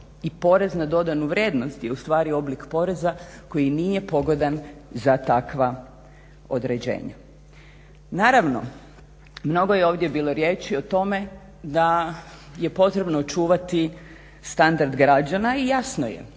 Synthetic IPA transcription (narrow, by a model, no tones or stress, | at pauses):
ipo̞ɾe̞znad̪o̞d̪anuʋɾje̞d̪no̞st̪jeust̪ʋaːɾio̞blikpo̞ɾe̞zako̞jinije̞po̞ɡo̞d̪anzat̪akʋa | o̞̰d̪ɾe̞d͡ʑḛːɲa̰ | naːɾaʋno̞̰ | mno̞ɡo̞jeo̞ːʋd̪je̞biːlo̞ɾje̞ːt͡ʃio̞t̪o̞me̞ | d̪a | je̞po̞t̪ɾe̞bnoːt͡ʃuːʋat̪i | st̪and̪aɾd̪ɡɾad͡ʑanaijasnojḛ